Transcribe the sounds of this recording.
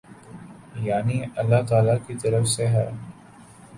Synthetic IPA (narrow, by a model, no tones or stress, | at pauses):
jaːniɐlːaɦt̪aːlakit̪ɐɾəfseɦɛː